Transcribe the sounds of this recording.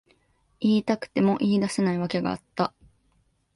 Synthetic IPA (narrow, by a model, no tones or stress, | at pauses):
iːt̪akɯ̥t̪e̞mo̞ʔiːd̪ase̞naiβake̞ɡa̰ːt̪ːa